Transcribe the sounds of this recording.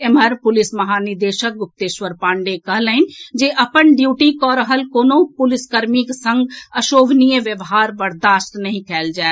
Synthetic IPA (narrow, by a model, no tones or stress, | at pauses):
eməɾpʊlɪsməɦaːnid̪eːʃək̚ɡʊp̚t̪eːʃʋəɾpãːɳɖekəɦləɪnd͡ʒeʔəpənɖjuːʈikɔɾəɦəlkoːnopʊlɪskəɾmiksə̃ŋɡəʃoːʋnijəʋjəʋɦaːɾbəɾd̪aːst̪nəɦĩkʰɛːld͡ʒae